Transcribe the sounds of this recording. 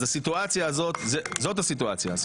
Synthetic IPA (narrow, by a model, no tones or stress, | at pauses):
asit̪uat͡sjaːzo̞t̪zezo̞thasit̪̬uat͡sja